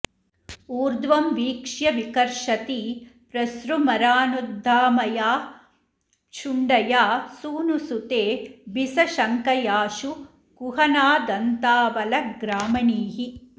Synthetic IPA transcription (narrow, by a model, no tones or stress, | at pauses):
uːɾd̪ʋɐmʋiːkʂjɐʋikɐɾʂɐt̪iːpɾɐsɾumɐɾaːnud̪ʱːaːmɐjaː | t͡ʃʰuɳɖɐjaːsuːnusut̪eːbisɐʃɐŋkɐjaːʃu | kuɦɐnaːd̪ɐnt̪aːʋɐlɐɡɾaːmɐɳiːɦi